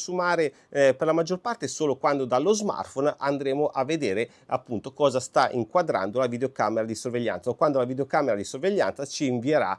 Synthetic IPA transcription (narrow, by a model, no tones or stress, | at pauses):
sumaːɾe | perlamad͡ʒːorpart̪esoːlokwand̪od̪alːozma̰rfonand̪ɾeːmoʔavːed̪eːɾe | a̰pːunt̪okɔːzast̪aʔiŋkwad̪ɾa̰nd̪olavid̪eokaːmeɾad̪isorveʎːa̰nt̪sakwand̪olavid̪eokaːmeɾad̪isorveʎːa̰nt̪sat͡ʃiːɱvieɾa̰